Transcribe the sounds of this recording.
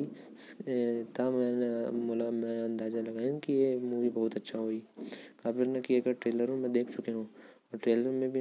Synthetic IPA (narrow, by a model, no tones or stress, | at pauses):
i | t̪amɛnemolamɛ̃ɐ̃nd̪aːzalɐɡaːĩkijemuːʋibɐɦʊt̪ɐtːʃʰaɦoːikaːbɪɾnekiekɐʈɾeːləɾõmẽd̪eːkʰt͡ʃʊkeɦũː | ɔːɾʈɾeːləɾmẽbʱi